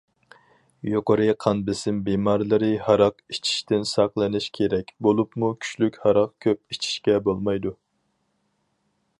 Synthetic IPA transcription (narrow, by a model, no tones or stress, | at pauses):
joqəɾɨqʰɑnbɪsɪmbemɑɾlˠɨɾɨhɑɾɑqit͡ʃʰi̥ʃt̪ɪnsɑqlˠɨnɪʃkʲʰeɾɛkʲbolˠupmukʲʰy̥t͡ʃlykʲhɑɾɑqkʲʰøp̚it͡ʃʰi̥ʃkʲɛbolˠmɑjd̪u